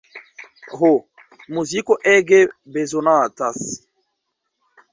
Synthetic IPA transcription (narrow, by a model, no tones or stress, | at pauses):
ɦo | muzikoʔɛɡebezonãatas